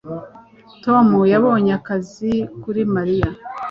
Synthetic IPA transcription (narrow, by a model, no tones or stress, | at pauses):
to̞mujaβo̞ːɲakazikuɾimaɾija